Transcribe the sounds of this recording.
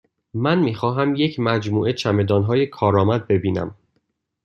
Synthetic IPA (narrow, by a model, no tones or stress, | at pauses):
mænmiːxɒːɦæmje̞cʰmæd͡ʒmuːʔe̞t͡ʃʰæme̞d̪ɒːnɦɒːje̞kʰɒːɾɒːmæd̪̚be̞biːnæ̰m